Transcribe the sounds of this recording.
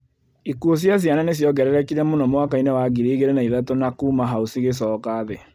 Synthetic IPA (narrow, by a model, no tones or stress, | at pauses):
ikuos̬jas̬jananesjɔɡɛɾɛɾɛkiɾɛmonɔmwakainewaɡiɾeiɣeɾenaiðatonakuːmaɦausiɣes̬ɔːkaðɛ